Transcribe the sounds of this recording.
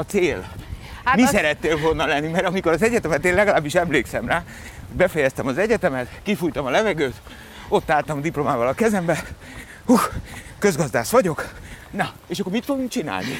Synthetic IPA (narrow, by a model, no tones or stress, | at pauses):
ɒt̪seːl | misɛɾɛt̪ːeːlvo̞lnɒlɛnːimɛɾɒmiko̞ɾɒzɛɟɛt̪ɛmɛt̪eːnlɛɡɒlaːbːiʃɛmleːksɛmraː | oɟbɛfɛjɛst̪ɛmɒzɛɟɛt̪ɛmɛt̪kifujt̪ɒmɒlɛvɛɡøːt̪ | o̞t̪ːaːlt̪ɒmd̪iplo̞maːvɒlɒkɛzɛmbɛ | uxkø̞zɡɒzd̪aːʃʋɒɟo̞knɒ | eːʃɒkːormit̪foɡuŋkt͡ʃina̰ːlnḭ